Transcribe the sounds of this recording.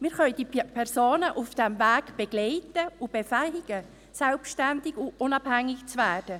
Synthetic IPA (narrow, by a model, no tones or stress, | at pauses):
miːɾχœʏd̥iːpʰɛrsoːnəʔufd̥ɛmvæːɡb̥ɛɡ̥lɛɪtəʊb̥efɛɪɡ̥ə | sɛlpʃtændɪɡʊʊnɑbhæŋːɪɡt͡svɛːd̥ə